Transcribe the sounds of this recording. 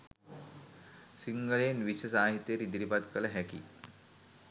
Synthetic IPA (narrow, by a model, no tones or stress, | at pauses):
siŋɡəɭenʋiɕəs̬aɦit̪jeɾid̪ɾipat̪kəlaɦɛkḭ